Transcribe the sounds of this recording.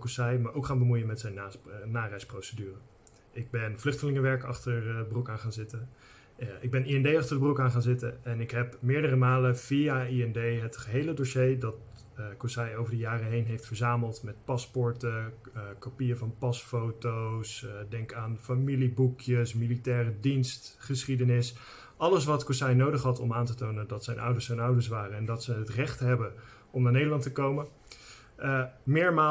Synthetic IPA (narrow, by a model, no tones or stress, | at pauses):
kusajmaːɹʔowkχaːnbəmujəmɛtsɛjnaːnːaːrɛjsprowsədyːrə | ʔɪɡ̚bɛnvlɵχtəlɪŋəʋɛɹkɑ̰χtəɹbrukaːnχaːnzɪtə | ɪɡ̚bɛniɛndejɑχtərəbərukaːnχaːnzɪtəɛnɪkɦɛpmɪːɹdərəmaːləv̥iaiɛndejɦətχəɦejlədoʃejdɑt | kɔsajowvəɹdəjaːrəɦejnɦejftfəɹzaːməlˠtmɛt̚pɑspɔɹtə | kopijəvɑnpɑsfowtowsdɛŋkaːnfamilibukʰjəsmilitɛːrədinstχəsχidənɪs | ʔɑləsʋɑtkɔsɛjnowdəχɦɑtɔmaːntətownədɑtsɛjnʔʌ̰wdəɹsɛjnʌwdəɹs̬ʋaːrəɛndɑtsəətrɛχtɦɛbə | ɔmnaːɹnejdəɹlɑntəkowmə | mɪːɹmaː